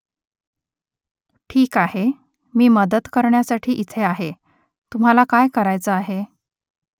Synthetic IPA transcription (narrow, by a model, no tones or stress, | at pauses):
ʈʰiːkahe | miːməd̪ət̪kəɾɳjasaʈʰiːʔit̪ʰeaɦe | t̪um̤alakajkəɾajt͡səaɦe